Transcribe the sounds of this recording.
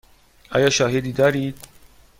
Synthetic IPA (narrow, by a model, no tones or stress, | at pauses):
ʔɒ̰ːjæʃɒːɦed̪iːd̪ɒːɾiːd̪̥̚